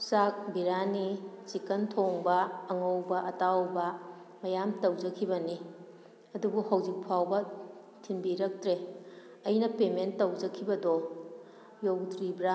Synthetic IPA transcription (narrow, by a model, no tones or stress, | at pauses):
sak̚biɾanisikɐntʰoŋbɐːŋowbɐʔɐtawbɐ | mɐjamtɐwd͡ʒɐkʰːibɐni | ɐdubuhɐwd͡ʒik̚pʰawbɐ | tʰinbiɾɐk̚tɾe | ɐjnɐpementːɐwd͡ʒɐkʰibɐdɔ | jowtɾibɾa